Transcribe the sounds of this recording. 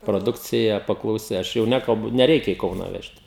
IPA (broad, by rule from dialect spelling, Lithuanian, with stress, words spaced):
proːˈdʊkt͡sʲɪjɛ pɐklˠɐʊˈsʲɪ ˈɐʃ jɛʊ ˈnʲæːkɐlˠbʊ nʲɛˈrʲɛɪkʲɛ iː ˈkɐʊnɑː ˈʋʲɛʃt